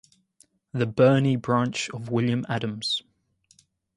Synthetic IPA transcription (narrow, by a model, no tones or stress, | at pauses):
ðəbɜːnibɹɑ̃ˑnt͡ʃəvwɪljə̃madə̃mz̥